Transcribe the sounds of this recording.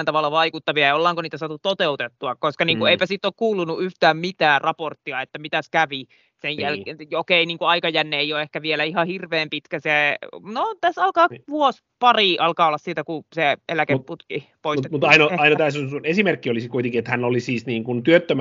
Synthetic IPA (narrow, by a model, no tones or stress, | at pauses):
nt̪ɑʋɑlːɑʋɑikut̪ːɑʋiɑjɑolːɑːŋkoniːt̪æsɑːt̪ːut̪ot̪eut̪et̪ːuɑkkoskɑniːŋkueipæsit̪ːˑoːkkuːlunuʔyht̪æːmmit̪æːrɑport̪ːiɑet̪ːæmit̪æskæʋi | sejjælokeiniːŋkuɑikɑjænːeːijoehkæʋielæihɑhirʋeːmpit̪kæsenot̪æsɑlkɑːʋuos | pɑriʔɑlkɑːolːɑssiːt̪ækuseelækepput̪kipoismut̪ɑinoɑinɑt̪æːsonsunesimerkːiolisikuit̪eŋkiet̪hænolisiːsniːŋkunt̪yøt̪ːøm